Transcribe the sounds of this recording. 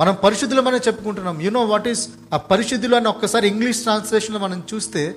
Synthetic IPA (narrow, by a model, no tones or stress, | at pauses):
mɐnɐmpɐɾiʃid̪ːulɐmɐnet͡ʃepːukuɳʈunːaːmjuːnoːʋɐʈiz | ɐpɐɾisʂid̪uluɐniɔkːɐsaːɾiiŋɡliʂʈɾaːnslɛːʂɐnloːmɐnɐmt͡ʃuːst̪e̞ː